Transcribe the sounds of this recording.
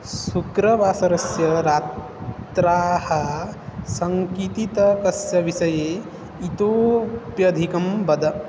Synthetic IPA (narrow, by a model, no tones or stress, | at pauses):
sukɾɐʋaːsɐɾɐsjɐɾaːt̪ | ɾaːhɐ | sɐŋkit̪it̪ɐkɐsjɐʋiʃɐjeː | it̪oːpjɐd̪ʱikɐmbɐd̪ʱɐ